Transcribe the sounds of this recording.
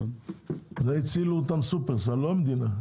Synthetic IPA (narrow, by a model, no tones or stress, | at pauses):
zeit͡siluːt̪amsupeʁsalomd̪ina